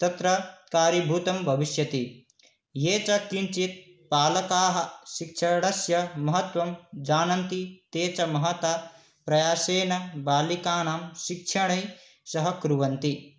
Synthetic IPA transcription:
t̪ɐt̪ɾɐkaːɾibʱut̪ɐmbʱɐʋiʃjɐt̪i | jeːt͡ʃɐkint͡ʃit̪̚ | paːlɐkaːɦɐ̆ʃikʃʰɐɽɐsjɐmɐɦɐt̪ʋɐmd͡ʒaːnɐnt̪it̪eːt͡ʃɐmɐɦɐt̪a | pɾɐjaːseːnɐbaːlikaːnaːmʃikʃʰɐɳ̃ɐj | sɐɦɐkɾuʋɐnt̪i

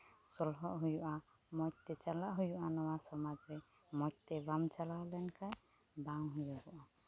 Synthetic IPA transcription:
sɔlɦɔʔɦujuʔamɔt̪et͡ʃalaʔɦujuʔanɔwasɔmad͡ʒɾe | mɔkt̪ebamt͡ʃalawlɛnkaj | bawɦujaɦuʔa

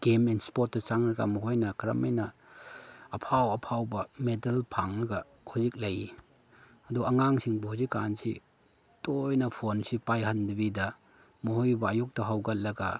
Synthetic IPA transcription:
ɡ̥emenspot̚ːɐt͡ʃaŋɾɐɡa̰mɐɦojnɐkɾɐ̰mɐjnɐː | pʰawɐpʰawbɐmedɐlpʰaŋlɐɡɐ | huzik̚lɐji | ɐduɐŋaŋsiŋbɐhuzikːa̰nsḭ | tojnɐpʰonsipajɦɐndɐbidɐ | mɔhojbɐːjuk̚tɐɦawɡɐt̚lɐɡɐ

